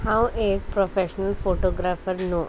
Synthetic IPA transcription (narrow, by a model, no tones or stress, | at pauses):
hãweːk̚pɾɔfeʃənəlfoʈoːɡɾafəɾno